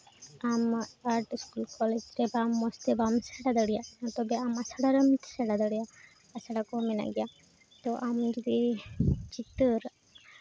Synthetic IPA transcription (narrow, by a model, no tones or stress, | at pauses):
amaɾʈiskulkɔled͡ʒɾɛbamːɔst̪ebamsɛɽad̪əɽijanat̪ɔbɛamasaɽaɾəmt̪ʰsɛɽad̪əɽija | asaɽakɔmɛna̰ɡija | t̪ɔʔamd͡ʒud̪i | t͡ʃit̪əɾ